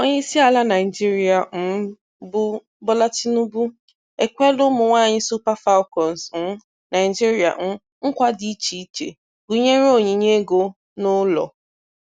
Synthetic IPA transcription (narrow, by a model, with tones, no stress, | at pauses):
o˦ɲe˦i˦si˦a˨la˦na˨ɪ˨d͡ʒi˦ɾi˨a˨n̩˦ | bʊ˦ | bɔ˦la˦t͡ʃi˦nu˦bu˦ | e˨kʷe˦lʊ˦mʊ˨ŋʷa˦˨ɲɪ˦su˦pa˦fa˦ʊ˦kɔ˨n˨sn̩˦ | na˨ɪ˨d͡ʒi˦ɾi˨a̰˨n̩˦ | ŋ̩˦kʷa˦dɪ˨i˦t͡ʃi˨˦t͡ʃḛ˨ | ɡu˨ɲe˦ɾo˦˨ɲi˨ɲe˦ɡo˦ | nʊ˦lɔ̰˨